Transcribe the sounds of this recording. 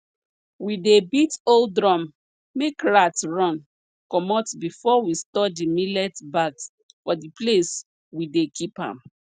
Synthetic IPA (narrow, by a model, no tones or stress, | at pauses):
widebitoldɹɔ̃m | mekɹatɹɔ̃n | kɔmɔtbifɔwistɔdimilɛtbaks | fɔdiples | widekʰipã̰m